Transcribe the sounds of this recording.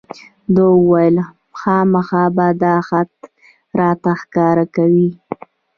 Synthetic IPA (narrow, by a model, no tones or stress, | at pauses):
d̪owwajəl | xɑmaxɑbad̪ɑxat̪ | ɾɑt̪axkɑɾakawi